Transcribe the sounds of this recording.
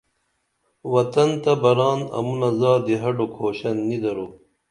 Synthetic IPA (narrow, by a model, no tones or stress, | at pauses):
wɐt̪ɐnt̪ɐbɐɾɑːnɐ̰munɐzɑːd̪iɦɐɖokʰoːɕɐnːid̪ɐɾoː